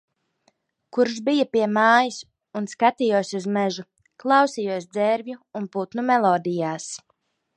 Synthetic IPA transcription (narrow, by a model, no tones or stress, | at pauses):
kuɾʒbijapiɛmaːjis | unskat̪ijuɔsuzmɛʒu | klˠɑwsijuɔs̬d̪zɛɾvʲjuːnput̪numɛlˠɔːd̪ijaːs